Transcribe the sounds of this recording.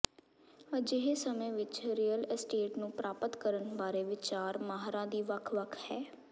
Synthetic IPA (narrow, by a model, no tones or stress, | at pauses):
əd͡ʒɪɦeːsəmẽːʋɪt͡ʃɾiːəlsʈeːʈnũːpɾaːpət̪kəɾənbaːɾeːʋɪt͡ʃaːɾmaːɦɾãːd̪iːʋəkʰʋəkʰhɛː